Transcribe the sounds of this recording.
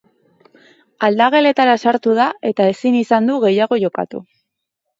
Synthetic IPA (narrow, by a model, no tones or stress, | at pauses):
ald̪aɣ̞e̞le̞t̪aɾasaɾt̪uð̞ae̞t̪ae̞sinisand̪uɣe̞jaɣ̞o̞ʝo̞ka̰t̪ṵ